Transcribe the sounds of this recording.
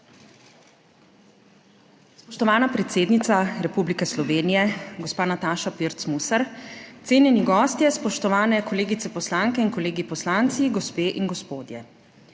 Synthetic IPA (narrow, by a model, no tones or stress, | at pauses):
spɔʃt̪ɔʋaːnapɾɛt̪seːd̪nit̪saɾɛpublikɛslɔʋeːnijɛɡɔspaːnat̪aːʃapiɾt̪smusɛɾt̪seːnjɛniɡɔːst̪jɛspɔʃt̪ɔʋaːnɛkɔleːɡit̪sɛpɔslaŋkɛinkɔleːɡipɔslaːnt̪siɡɔspeːʔinɡɔspoːd̪jɛ